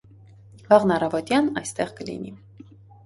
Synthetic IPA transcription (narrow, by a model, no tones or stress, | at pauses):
vɑʁnɑrɑvɔt̪jɑnɑjst̪ɛʁkəlḭni